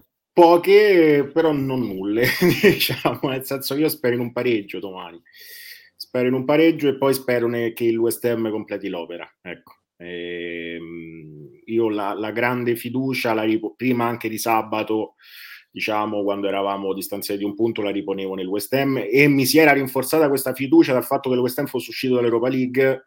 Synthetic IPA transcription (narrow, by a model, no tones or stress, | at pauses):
pɔːk̟epeɾɔnonːulːed̪it͡ʃaːmonelsɛnsok̬iːospɛːɾoinumpaɾed͡ʒːod̪omaːni | spɛːɾoinumpaɾed͡ʒːoepːɔjspɛːɾonek̟eiluɛst̪ɛmːkomplɛːt̪ilɔːpeɾa̰ɛkːo̥ | ɛ | iːolalaɡɾand̪efid̪uːt͡ʃalaɾipopɾiːmaaŋk̟ed̪isabːat̪o | d̪̥it͡ʃaːmokwand̪oɛɾavaːmod̪ist̪ant̪sjatd̪iumpunt̪olaɾiponeːvonelwɛst̪ɛmːemːisiɛːɾaɾiɱfort̪saːt̪akwest̪afid̪uːt͡ʃad̪alfat̪ːokeluɛst̪ɛmfosːeuʃːiːt̪od̪alːewɾɔpaliɡː